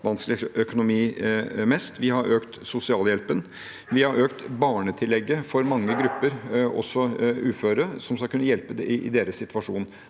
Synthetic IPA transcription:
ʋɑnsklɪœkʊnʊmiːmɛst̪ʋɪhɑɾʔøːkt̪sʊsɪɑːljɛlpən | ʋɪhɑɾøːkt̪bɑːɳət̪ʰɪlːɛɡːəfɔɾmɑŋːəɡɾʉpːəɾʔɔ̰sːɔʉːføːɾəsɔmskɑlkʉnːəjɛlpəɪʔɪd̪eːɾəssɪt̪ʋɑʂuːn

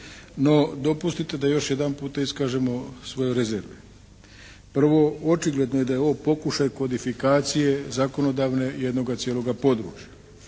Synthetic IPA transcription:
no̞d̪o̞pust̪it̪e̞d̪ajo̞ʃje̞d̪anpuːt̪aiskaːʒe̞mo̞sʋo̞jeɾezeɾʋḛ | pr̩ʋo̞ot͡ʃiɡle̞d̪no̞jed̪ajeo̞ʋpo̞kuʃajkod̪ifikaːt̪sije̞zako̞no̞d̪aːʋne̞jed̪no̞ɡat̪sʲjelo̞ɡapo̞d̪ɾṵːt͡ʃjḁ

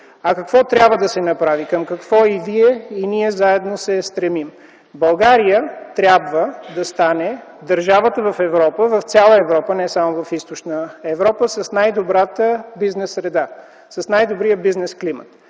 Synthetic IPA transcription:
ɐkɐkvɔt̪ɾʲjabvəd̪ɐsɛnɐpɾavikəmkɐkvɔiviɛiniɛzaɛd̪nosɛst̪ɾɛmim | bɐlˠɡaɾijət̪ɾʲabvəd̪ɐst̪anɛd̪əɾʒavət̪əvɐfɛvɾɔpəvɐft̪sʲalˠəɛvɾɔpənɛsamovɐfist̪ot͡ʃnəɛvɾɔpəsɐsnajd̪obɾat̪əbiznɛsɾɛd̪a | sɐsnajd̪obɾijəbiznɛsklimə̰t̪

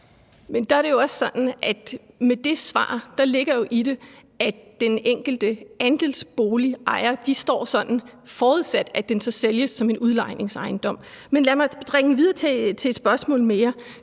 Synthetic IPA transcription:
mend̥ɑ̈æɐɾe̝jo̝ɒ̽ssɒ̽d̥n̩ʔæ̥ | med̥e̝sʋɑ̰̈ːd̥ɑ̈le̝ɡ̥ɐjo̝ʔiɾe̝ | ʔædd̥eneŋ̰ɡ̥l̩d̥əænd̥e̝lsb̥o̝ːliʔɑ̈ɪɐd̥isd̥ɒ̰ːsɒ̽d̥n̩fɒːuðˠsæd̥æd̥ensɒ̽seljəsːɒ̽me̝nuðˠlɑ̈ɪ̰ne̝ŋsɑ̈ɪnd̥ɒ̽m̰menlæmɑ̈d̥ʁeŋ̩ʋið̞ˠɐt͡sʰet͡sʰe̝ːd̥sb̥ɶɐsmɔ̰̽ːlmejɐ

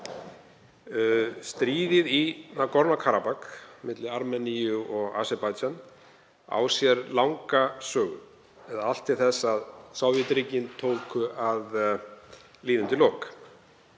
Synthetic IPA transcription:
st̪ɾiːðɪðinakɔɾnakʰaːɾapakmɪt̪lɪaɾmɛnijʏɔɣa̰ːsɛpajt̪t͡ʃan | a̰ːwsjɛɾlawŋkasœːɣʏ̰ | ɛðaal̥t̪ɪθɛsːaðsawvjɪt̪ɾiːcɪnt̪ʰoːwkʰʏʔað | liːðʏnt̪ɪlɔːwk

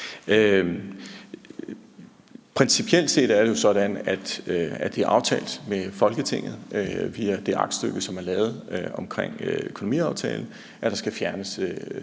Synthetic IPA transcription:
ø | pʰʁɛnsipʰiel̰d̥se̝̰ːd̥æɐɾ̥e̝jo̝sɒ̽d̥ænæd̥æd̥e̝æɐʔɑ̈ʊt͡sʰɛ̰ːld̥mefɒ̽lɡ̥ət͡sʰe̝ŋ̰ð̞̩ˠøʋiæd̥e̝ʔɑ̈ɡ̥d̥sd̥øɡ̥əsɒ̽mæɐlɛːʊð̞̩ˠøɒ̽mkʰʁeŋ̰økʰonomḭːɑ̈ʊt͡sʰɛ̰ːln̩ | ʔæd̥ɑ̈sɡ̥æfjæɐnəsø

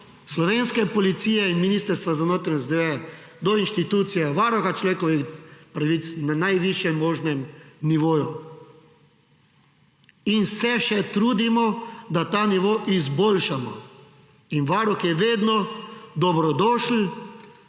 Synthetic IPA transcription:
slɔʋeːnskɛpɔlit̪siːjɛinminist̪əɾst̪ʋazanoːt̪ɾɛɛzd̪eɛ | d̪ɔinʃt̪it̪uːt̪sijɛʋaɾɔxat͡ʃlɔʋekɔʋixpɾaʋit̪snanajʋiʃjɛmːoːʒnɛmniʋoːju | insɛʃɛt̪ɾuːd̪imɔd̪at̪aːniʋoːʔizboːlʃamɔ̰ | inʋaɾɔxjɛʋeːd̪nɔd̪ɔbɾɔd̪ɔːʃl̩

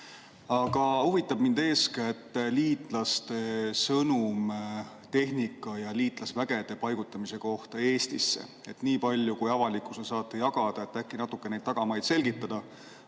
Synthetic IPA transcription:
ɑɡ̥ɑuvit̪ːˑɑb̥̚mind̪e̞ːsket̪ːˑliːt̪ˑlɑst̪e̞sɤnum | t̪e̞hɦnikːˑɑjɑliːt̪ˑlɑsvæɡ̥e̞d̪̥e̞pɑjɡ̥ut̪ːˑɑmise̞ko̞ht̪ɑe̞ːst̪isːḛ | e̞t̪niːpɑlʲjukujɑvɑlikːˑu̥sesɑːt̪ːˑujɑɡ̥ɑd̪̥ɑe̞t̪ːækːˑinɑt̪ːˑukːenejd̪ɑɡ̥ɑmɑjd̪̥se̞lɡit̪ːˑɑd̪̥ɑ

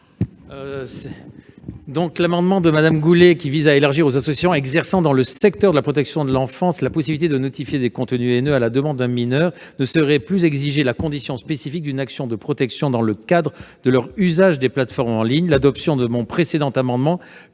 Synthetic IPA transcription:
d̪ɔ̃klamɑ̃d̪mɑ̃d̪əmad̪amɡulekʲivizaelaʁʒiʁozasɔsjasɔ̃ɛɡzɛʁsɑ̃d̪ɑ̃ləsɛkt̪œʁd̪əlapχɔt̪ɛksjɔ̃d̪əlɑ̃fɑ̃slapɔsibilit̪ed̪ənɔt̪ifjed̪ekɔ̃t̪nyenøalad̪əmɑ̃d̪ːɛ̃minœʁnəsəʁɛplyzɛɡziʒelakɔ̃d̪isjɔ̃spesifik̚d̪ynaksjɔ̃d̪əpχɔt̪ɛksjɔ̃d̪ɑ̃ləkad̪ʁəd̪əlœʁyzaʒd̪eplat̪fɔʁmɑ̃liɲlad̪ɔpsjɔ̃d̪əmɔ̃pχesed̪ɑ̃t̪amɑ̃d̪mɑ̃

